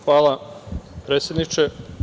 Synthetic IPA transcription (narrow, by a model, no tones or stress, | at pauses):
xʋaːlˠapɾet̪sʲjed̪nit͡ʃe